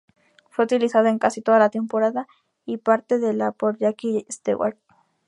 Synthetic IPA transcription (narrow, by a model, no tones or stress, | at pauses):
fweut̪ilisaðaeŋkasit̪oðalat̪empoɾaða | ipaɾt̪eðelapoɾʎakijaest̪ḛwa̰ɾ